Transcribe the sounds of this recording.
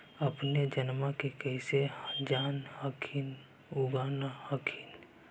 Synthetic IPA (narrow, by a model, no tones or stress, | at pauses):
əpned͡ʒənmakekɛɪsed͡ʒaːnhəkʰin | ʊɡaːnahəkʰin